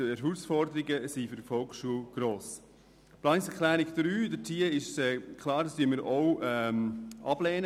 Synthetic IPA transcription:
əɛɾɦuːsfɔɾdəɾɪɡəsifyɾdfɔlksʃuəlɡ̥ɾoːs | plɑnɪŋsɛkʰlæːɾɪɡd̥̪ɾyːdətʰiːəɪʃɛkʰlɑːɾdɑstyəməːɾʔoʊɛmʔɑ̰b̥lɛːnə

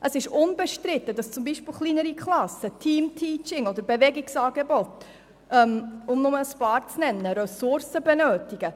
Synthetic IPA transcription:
ʔəsɪʃʊnbɛʃtɾɪt̪ːədɑst͡sʊmbiʃpɪlχlinəɾikχlɑsətʰiːmtʰiːt͡ʃɪŋɔd̪əɾbɛvɛɡɪksɑːɡebɔt | ʔœmʊmnʊməəspɑːɾt͡snɛnːəɾɛsʊɾsəbɛnøːtɪɡ̥ə

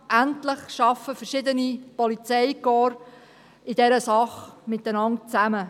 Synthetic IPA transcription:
ʔæntləχʃɑfəfəɾʃɪd̪ənipɔlit͡sɛjkɔːɾ | ɪdɛɾəsɑχmɪt̪ːənɑntt͡sæmə

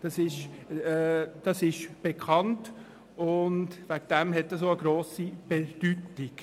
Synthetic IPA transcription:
d̥ɑsɪʃɛd̥ɑsɪʃb̥ekʰχɑnt | ʊndvæɡd̥ɛmɦɛtːəs̬oəɡɾoːsib̥ed̥ytɪk

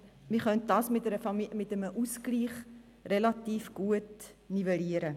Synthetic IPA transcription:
miχœnt̚dɑsmɪtəɾəɑimɪtəməʔusɡliːχ | relɑtiːfɡ̥uətniveliəɾə

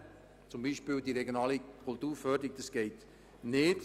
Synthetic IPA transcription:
t͡sʊmbiːʃpiːldiɾɛɡjonɑːlikʰʊltuːɾfœdɪk̚d̥əsɡ̥ɛɪt | nɪːt

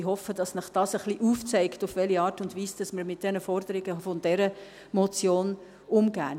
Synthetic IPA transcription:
ɦɔfəd̥ɑsnəχd̥ɑːsəχliʔuːft͡sɛɪktufʋɛliɑːɾtʊndʋiːsd̥ɑsməɾmɪt̚d̥ɛnəfɔɾd̥əɾɪɡəfɔndɛɾə | mɔt͡sjoːn | ʊmɡæ̰ː

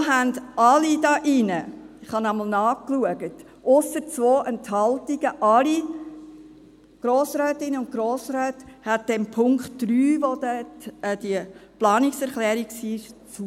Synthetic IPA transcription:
ɦændʔɑlidɑːʔɪnə | ɪχhɑnɑməl̩ˠnɑːkluəɡət | ʔʊsət͡sʋoːʔɛnthɑltiɡ̥əʔɑli | ɡ̥ɾoːsɾœːtɪnəʊntɡ̥ɾoːsɾɛːthæt̚d̥ɛmpʰʊŋkt̚d̥ɾyːʋod̥ɛtːd̥iəplɑːnɪksɛɾχlɛːɾiksiːɪʃt͡su

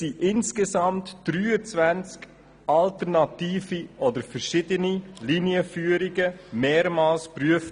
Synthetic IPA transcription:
iʔɪnskesɑmtd̥ɾyːət͡svænt͡sk | ɑltəɾnɑtiːfiʔɔdəfəɾʃɪdəniliniəfyːəɾiɡəmeːɾmaːlspɾyəf

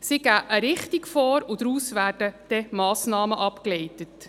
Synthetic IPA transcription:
siɡæːʔəɾɪχtikfɔːɾʊd̪ɾuːsʋæːɾd̥əd̥ɛmɑːsnɑːməʔɑpklɛɪtət

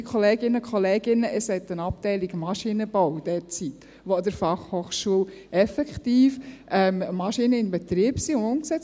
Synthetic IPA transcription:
kʰoleːɡɪnəkʰχɔleːɡ̥ɪnːəʔəshɛt̪ənɑp̚tɛɪliɡmɑʃinəb̥ɔwd̥ɛt͡sit̪ | ʋod̪əɾfɑχhoːχʃuəlɛfɛkt̪iːfʔɛmmɑʃinəɪnbɛt̪ɾiəbsiːʊʊmksɛt͡s

